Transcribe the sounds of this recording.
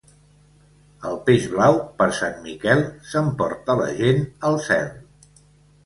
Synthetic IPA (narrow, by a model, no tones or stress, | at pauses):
əlˠpeʒβlawpəɾsanmikɛlˠsəmpɔɾt̪ələ̰ʒenəlˠsɛ̰lˠ